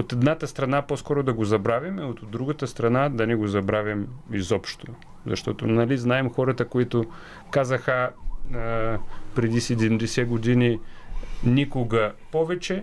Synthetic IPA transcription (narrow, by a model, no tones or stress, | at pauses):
ot̪ɛd̪nat̪əst̪ɾɐnaposkɔɾod̪ɐɡozɐbɾavʲimɛot̪od̪ːɾuɡət̪əst̪ɾɐnad̪ɐnɛɡozɐbɾavʲɐmizɔpʃt̪o | zɐ̰ʃt̪ɔt̪onɐliznaɛmxɔɾɐt̪əkoit̪ʊ | kazəxə | pɾɛd̪isɛd̪ɛmd̪ɛsɛɡod̪ini | nʲikʊɡɐpɔvɛt͡ʃɛ